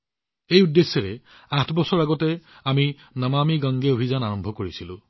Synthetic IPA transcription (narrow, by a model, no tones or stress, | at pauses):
ejudːesːɛɹɛ | ãtʰbɔsɔɹaɡɔtɛami | namamiɡãŋɡeobʱizanaɹɔmbʱɔkoɹisilʊ̰̃